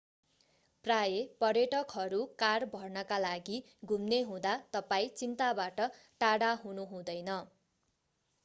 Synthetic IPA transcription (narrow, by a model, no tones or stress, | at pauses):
prajepʌrjʌʈʌkɦʌɾukarbʱʌrnʌkalaɡi | ɡʱumneɦũd̪at̪ʌpaĩt͡sint̪abaʈʌ | ʈaɽaɦunuɦũd̪ʌjnʌ